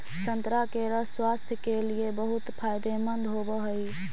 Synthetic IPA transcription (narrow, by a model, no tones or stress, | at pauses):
sənt̪ɾakeɾəswast̪ʰjkeliebəɦut̪pʰajd̪emənd̪ɦobəɦəj